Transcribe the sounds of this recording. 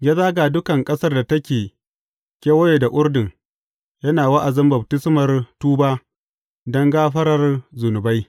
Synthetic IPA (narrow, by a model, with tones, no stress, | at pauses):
ɡʲɛ˦zaː˦ɡaː˨dʊ˦kɐ˨ŋkʼɐ˦sɐ˦rda˨tɐ˦kʲeː˨ | kʲʼe˦wɐ˦jeː˨da˨ʔʷʊ˦ɾdɪ˨ŋ | jɐ˦naː˨wɐ˦ʔa˨zɪ˦mbɐ˨btɪ˦smɐ˨rtuː˦baː˦ | dɔ˦ŋɡaː˦ɸɐ˦ɾɐ˨rzʊ˨nʊ˨ba˦j